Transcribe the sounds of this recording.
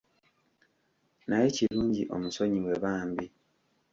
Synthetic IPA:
najeciɾuːɲɟḭʔo̞̰muso̞ɲiwe̞βaːmbi

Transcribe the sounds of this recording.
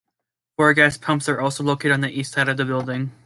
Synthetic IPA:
fɔɹɡæspʰʌ̃mpsə˞ʔɔlˠsoʊloʊkeɪɾɨdn̩ðiʔistsaɪɾʌvðɨbɪlˠdɪ̃ŋ

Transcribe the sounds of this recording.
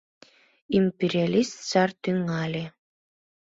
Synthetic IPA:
imʲpʲeɾʲialʲist̪sart̪yŋalʲi

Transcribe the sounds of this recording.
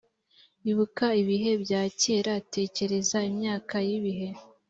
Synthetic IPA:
iβukaiβiɦe̞bjaːce̞ːɾate̞ːce̞ɾe̞zaimɲaːkajiβiɦe̞

